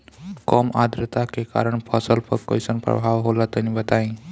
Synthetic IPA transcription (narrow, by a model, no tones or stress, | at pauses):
kɔːmad̪ɾət̪akeka̰ːɾəɳpʰəsəlpəɾko̰jsənpɾə̰bʱaːʋɦolat̪ənĩbət̪aĩ